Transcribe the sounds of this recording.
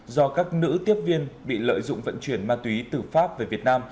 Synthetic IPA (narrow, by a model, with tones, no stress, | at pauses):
zɔ˧kaː˦˥k̚nɨ̰˧˥t̪i˦˥əp̚vi˧ənɓḭ˧˨lə̰ː˧˨jzʊ̰˧˨ŋ͡mvə̰˧˨nt͡ɕwi˧˩ənmaː˧t̪wi˨˦t̪ɨ˨˩faː˦˥p̚ve˨˩vi˨˩ət̚naː˧m